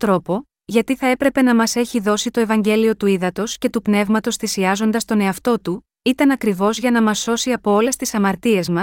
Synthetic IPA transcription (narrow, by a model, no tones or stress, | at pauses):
t̪ɾo̞po̞ | ʝɐt̪iθɐe̞pɾe̞pe̞nɐmɐse̞çiðo̞sit̪o̞e̞vɐɲɟe̞lio̞t̪uiðɐt̪o̞sce̞t̪upne̞vmɐt̪o̞sθisiɐzo̞nd̪ɐst̪o̞ne̞ɐft̪o̞t̪u | it̪ɐnɐkɾivo̞zʝɐnɐmɐsːo̞siɐpo̞ole̞st̪isɐmɐɾt̪ie̞zmɐs